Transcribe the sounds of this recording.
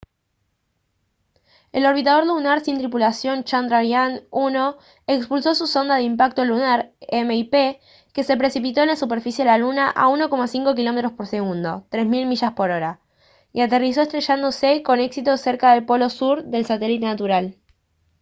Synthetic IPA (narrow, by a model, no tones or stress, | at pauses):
elo̞ɾβ̞it̪að̞o̞ɾlunaɾsint̪ɾipulasjo̞nt͡ʃand̪ɾaɾjanuno̞ | ekspulso̞suso̞nd̪aðeimpak̚t̪olunaɾemeipe | ke̞se̞pɾe̞sipit̪o̞enlasupe̞ɾfisje̞elalunaʔa̰uno̞ko̞masiŋko̞kilo̞me̞t̪ɾo̞spo̞ɾse̞ɣund̪o̞t̪ɾe̞zmilmiʃaspo̞ɾo̞ɾa | iat̪eris̬o̞est̪ɾe̞ʃand̪o̞seko̞ne̞ksit̪o̞se̞ɾkaðe̞lpo̞lo̞suɾðe̞lsat̪e̞lit̪e̞nat̪uɾal